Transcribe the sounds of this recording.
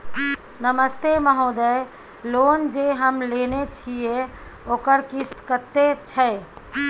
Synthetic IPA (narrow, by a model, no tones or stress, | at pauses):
nəməst̪eməɦod̪əj | lond͡ʒeɦəmlenet͡ʃʰieoːkəɾkist̪kət̪et͡ʃʰə